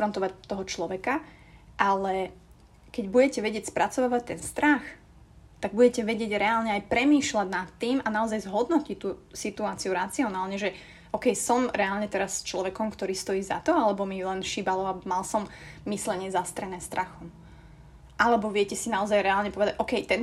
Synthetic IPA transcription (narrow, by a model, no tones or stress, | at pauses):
fɾɔnt̪ɔʋac̚t̪ːɔɦɔt͡ʃlɔʋɛka | ʔalɛ | kɛɟbuɟɛcɛʋɛɟɪɛcspɾat͡sɔʋaːʋac̚t̪ɛnst̪ɾax | t̪aɡ̚buɟɛcɛʋɛɟɪɛɟɾɛalɲɛajpɾɛmiːʃlaɟnat̪ːiːmanaɔzajzɦɔd̪nɔcict̪ːuːsit̪uaːt͡siuɾat͡siɔnaːlɲɛʒɛ | ʔɔkɛjsɔmɾɛalɲɛt̪ɛɾast͡ʃlɔʋɛkɔmkt̪ɔɾiːst̪ɔjiːza̰t̪ɔalɛbɔmilɛnʃibalɔamalsɔmmislɛɲɪɛzast̪ɾɛnɛːst̪ɾaxɔm | ʔalɛbɔʋɪɛcɛsinaɔzajɾɛaːlɲɛpɔʋɛd̪aɟʔɔkɛjt̪ɛn